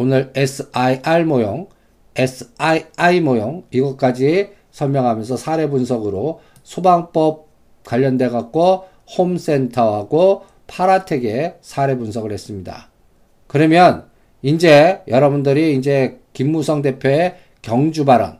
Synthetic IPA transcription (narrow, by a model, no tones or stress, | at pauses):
onɯɾesʰɯaiaɭmojoŋ | esʰɯ̥aiaimojoŋiɡʌk͈ad͡ʑi | sʰʌɭmjʌŋɦamjʌnsʰʌsʰaɾe̞bunsʰʌɡɯɾo | sʰobaŋp͈ʌp̚ | kwaʎːʌndwe̞ɡak̚k͈o | homs͈e̞ntʰʌɦaɡo | pʰaɾatʰeɡe̞sʰaɾe̞bunsʰʌɡɯɭhe̞s͈ɯmɲida̰ | kɯɾʌmjʌn | ind͡ʑejʌɾʌbundɯɾiːnd͡ʑe̞kimːusʰʌŋde̞pʰjoe | kjʌŋd͡ʑubaɾʌ̰n